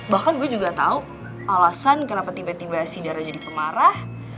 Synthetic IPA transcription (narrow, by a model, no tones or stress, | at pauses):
bahkanbad͡ʒuɡat̪a̰u | ʔalasankənapat̪ibat̪ibasidaɾad͡ʒadipəmaɾah